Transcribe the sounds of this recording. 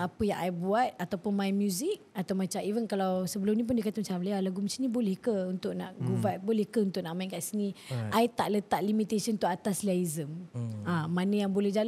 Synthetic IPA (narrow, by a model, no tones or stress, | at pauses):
apəjã̰ŋʔajbuat̪̚at̪awpʊnmãjmjuzik̚at̪awmat͡ʃamivənkalawsəbəlʊmnĩp̬ʊndikat̪əmat͡ʃamlialaɡumat͡ʃanĩbolɛhkəunt̪ʊʔ̚nã̰ʔɡuvat̪̚bolɛhkəunt̪ʊʔ̚naʔmainkaʔsiniʔajt̪aʔlət̪aʔlimit̪asənt̪uʔat̪aslaizəmamanə̃jaŋbolɛd͡ʒal